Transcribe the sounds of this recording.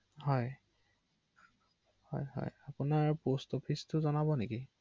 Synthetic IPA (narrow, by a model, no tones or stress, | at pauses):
hɔj | hɔjɦɔ̰japʊnaɹpostopʰistʊzɔnabɔneki